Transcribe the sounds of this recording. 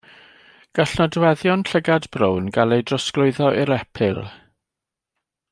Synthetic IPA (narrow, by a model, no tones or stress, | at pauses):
ɡ̥aɬnɔdwɛðjɔnɬəɡadbrownɡalejdrɔsklʊɨðɔʔiɾɛpʰɪlˠ